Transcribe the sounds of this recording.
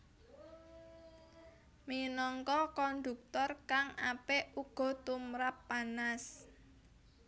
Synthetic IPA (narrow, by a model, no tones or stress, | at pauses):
minɔŋkɔkɔnd̪uk̚t̪ɔrkaŋapeuɡ̥ɔ̤t̪umɾapːanas